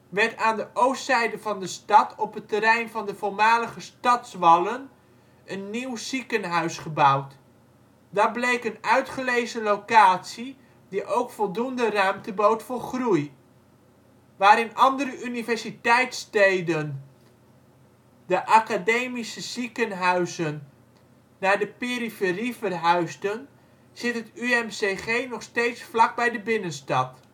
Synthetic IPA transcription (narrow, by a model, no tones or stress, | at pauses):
ʋɛɹtaːndəʔowssɛjdəvɑndəstɑtʰɔpətəɾɛjnvɑndəvʊlˠmaːləχəstɑtsʋɑlən | ənːiwz̥ikənɦœɥsχəbʌwt | dablejkənœɥtχəlejzəlowkaːtsi | diʔowkfɔlˠdundərœɥmtəbowtfʊːɹχruj | ʋaːɾɪnʔɑndəɾəʔynivɛɹzitɛjtstejdən | dəʔakadejmisəz̥ikənɦœɥzənː | aːɹdəpeːrifərifərɦœɥstən | z̥ɪtətyɛmseχejnɔχstejtsflɑɡ̚bɛjdəbɪnənstɑt